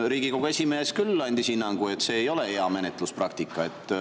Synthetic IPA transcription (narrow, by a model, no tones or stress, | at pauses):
ɾiːɡ̥ikowɡ̥ue̞sʲimeːskylːɑnʲd̪̥isinːɑŋɡ̥ue̞t̪ːˑse̞ːjo̞le̞eɑme̞net̪ːˑlusprɑkt̪ikːˑɑe̞t̪ːˑ